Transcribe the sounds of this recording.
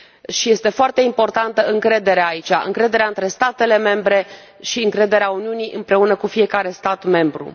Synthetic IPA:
ʃije̞st̪e̞foart̪e̞impo̞rt̪ant̪əɨŋkɾe̞d̪eɾeaːit͡ʃa̰ʔɨ̰ŋkɾe̞d̪e̞ɾeaɨnt̪ɾe̞st̪at̪e̞le̞me̞mbɾe̞ | ʃiɨŋkɾe̞d̪e̞ɾeauniuniʔɨmpɾe̞unəkufije̞kaɾe̞st̪at̪me̞mbɾṵ

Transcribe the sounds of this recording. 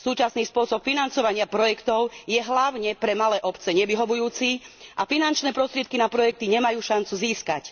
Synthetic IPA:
suːt͡ʃasniːspʊɔsɔpfinant͡sɔʋaɲɪapɾɔjɛkt̪ɔʊjɛɦlaʊɲɛpɾɛmalɛːʔɔpt͡sɛɲɛʋiɦɔʋujuːt͡siʔafinant͡ʃnɛːpɾɔst̪ɾɪɛt̪̚kinapɾɔjɛk̚t̪iɲɛmajuːʃant͡suziːskac

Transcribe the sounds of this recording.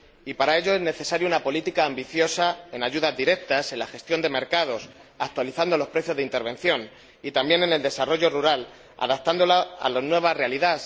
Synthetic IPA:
ipaɾae̞ʎo̞ezne̞θe̞saɾjunapo̞lit̪ikaːmbiθjo̞sae̞naʝuðazðiɾe̞k̚t̪ase̞nlaxe̞st̪jond̪e̞me̞ɾkað̞o̞s | ak̚t̪waliθand̪o̞lo̞spɾe̞θjoðeint̪e̞ɾβẽ̞n̟θjo̞n | it̪ambje̞ne̞ne̞ld̪e̞saro̞ʝo̞ruɾal | a̰ðap̚t̪and̪o̞laa̰laznwe̞β̞azre̞aliðas

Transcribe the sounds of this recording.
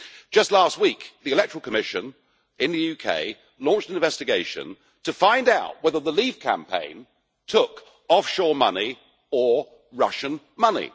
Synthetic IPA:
d̥ʒ̥ʌstˡlæst̚wikðiɨlɛk̚tʰɹl̩ˠkʰəmɪʃɨ̰̃n | ɪ̃nðɨjʉkʰḛɪ | lɔ̃ˑnt͡ʃtɪ̃ɱvɛstɨɡeɪʃɨ̰̃n | tʰɨfãɪ̃ndaʊʔ̚wɛðə˞ðəliv̥kʰæ̰̃mpʰḛ̃ɪ̃n | tʰʊk | ɒfʃɔːmʌni | ə˞ | ɹʌʃɨ̃n | mʌnḭ

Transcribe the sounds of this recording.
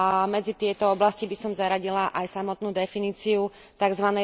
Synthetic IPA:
mɛd͡zit̪ɪɛt̪ɔɔblascibisɔmzaɾaɟilaʔajsamɔt̪nuːd̪ɛfiniːt͡siu | t̪aɡzʋanɛ

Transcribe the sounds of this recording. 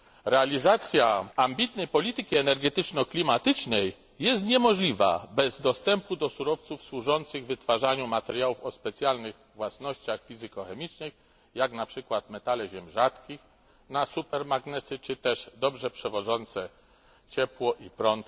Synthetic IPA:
ɾɛalʲizat̪sʲjaambʲit̪nɛjpɔlʲit̪ɘkʲiɛnɛɾɡɛt̪ɘt͡ʂnɔklʲimat̪ɘt͡ʂnɛjː | ɛst̪ɲɛmɔʐlʲiva̰bɛzd̪ɔst̪ɛmpud̪ɔsuɾɔft̪sufswuʐɔnt̪sɘɣvɘt̪faʐaɲumat̪ɛɾjawufɔspɛt̪sjalnɘɣ | vwasnɔɕt͡ɕaxfʲizɘkɔxɛmʲit͡ʂnɘx | jaknapʂɘkwat̪mɛt̪alɛʑɛmʐat̪kʲix | nasupɛɾmaɡnɛsɘt͡ʂɘt̪ɛʐd̪ɔbʐɛpʂɛvɔʐɔnt̪sɛ | t͡ɕɛpwɔʔipɾɔnt̪

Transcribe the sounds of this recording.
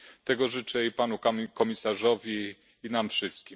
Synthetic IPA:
t̪ɛɡɔʐɘt͡ʂɛipanukkɔmʲisaʐɔvʲi | inamfʂɘst̪̚kʲim

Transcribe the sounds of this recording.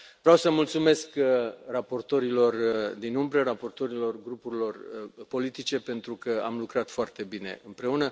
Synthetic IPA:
vɾeawsəmult̪sume̞skrapo̞rt̪o̞ɾilo̞rd̪inumbɾərapo̞rt̪o̞ɾilo̞rɡɾupuɾilo̞rpo̞lit̪it͡ʃe̞pe̞nt̪ɾukəa̰mlukɾat̪foart̪e̞bine̞̰ɨmpɾe̞unə

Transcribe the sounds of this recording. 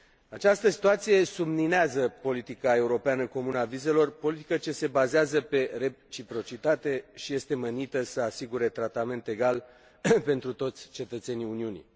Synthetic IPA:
at͡ʃast̪əsi̥t̪uat̪sije̞sumnineazəpo̞lit̪ikae̞uɾo̞peanəko̞munəavize̞lo̞rpo̞lit̪i̥kət͡ʃe̞se̞bazeazəpe̞re̞t͡ʃipɾo̞t͡ʃit̪at̪e̞ʃije̞st̪e̞mənit̪əsəasiɡuɾe̞t̪ɾat̪ame̞nt̪e̞ɡal | pe̞nt̪ɾut̪o̞t̪sʲt͡ʃe̞t̪ət̪se̞niuniunḭ

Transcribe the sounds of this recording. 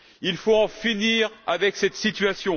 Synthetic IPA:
ilfoɑ̃finiːʁavɛksɛt̪sit̪ɥasjɔ̃

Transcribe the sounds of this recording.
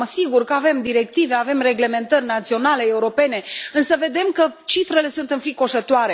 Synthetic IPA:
əsiɡurkəave̞md̪iɾe̞k̚t̪ive̞ave̞mre̞ɡle̞me̞nt̪ərʲnat̪sio̞nale̞ːuɾo̞pe̞ne̞ɨnsəve̞d̪e̞mkət͡ʃifɾe̞le̞sunt̪ɨnfɾiko̞ʃət̪oaɾe̞

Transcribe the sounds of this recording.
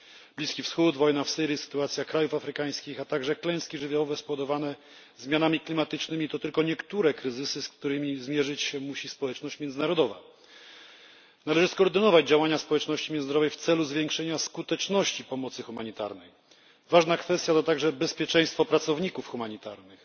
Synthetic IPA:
blʲiskʲifsxud̪vɔjnafsɘɾjisɘ̥t̪uat̪sʲjakɾajufafɾɘkaj̃skʲixat̪aɡʐɛklɛ̃j̃skʲiʐɘvʲjawɔvɛspɔvɔd̪ɔvanɛ | zmʲjanamʲiklʲimat̪ɘt͡ʂnɘmʲit̪ɔt̪ɘlkɔɲɛkt̪uɾɛkɾɘzɘsɘsk̚t̪uɾɘmʲizmʲjɛʐɘt͡ɕɕɛmuɕispɔwɛt͡ʂnɔɕt͡ɕmʲjɛndzɘnaɾɔd̪ɔva̰ | nalɛʐɘskɔːɾd̪ɘnɔvad͡ʑd͡ʑawaɲaspɔwɛt͡ʂnɔɕt͡ɕimʲjɛnd̪ɾɔvɛjft̪sɛluzvʲjɛŋkʂɛɲaskut̪ɛt͡ʂnɔɕt͡ɕipɔmɔt̪sɘxumaɲit̪a̰ɾnɛj | vaʐnakfɛst̪jat̪ɔt̪aɡʐɛbɛspʲjɛt͡ʂɛ̃j̃st̪fɔpɾat̪sɔvɲikufxumaɲit̪aɾnɘx

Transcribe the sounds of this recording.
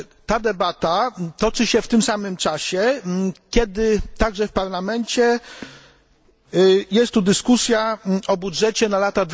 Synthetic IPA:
t̪ad̪ɛbat̪at̪ɔt͡ʂɘɕɛft̪ɘmsamɘmt͡ʂaɕɛkʲjɛd̪ɘt̪aɡʐɛfpaɾlamɛnt͡ɕɛ | jɛst̪ːud̪ɘskusʲjaɔbudʐɛt͡ɕɛnalat̪ad̪v

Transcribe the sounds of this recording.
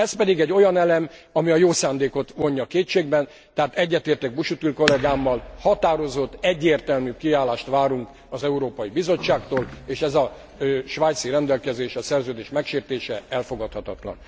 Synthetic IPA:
ɛspɛd̪iɡɛɟːo̞jɒnɛlɛmɒmiɒjoːsaːnd̪eːko̞t̪ʋo̞ɲːɒkeːt͡ʃːeːɡ̚bɛn | t̪ɛɦaːt̪ɛɟːɛt̪eːrt̪ɛɡ̚buʃut̪ylko̞lɛɡaːmːɒlhɒt̪aːɾo̞zo̞t̪ːɛɟːeːrt̪ɛlmyːkiaːlaːʃt̪ʋaːɾuŋk | ɒzɛuɾoːpɒjibizo̞t͡ʃːaːkt̪oːleːʃɛzɒ | ʃʋaːjt̪siɾɛnd̪ɛlkɛzeːʃɒsɛrzøːd̪eːʃmɛkʃeːrt̪eːʃɛɛlfo̞ɡɒt̪hɒt̪ɒt̪lɒ̰n

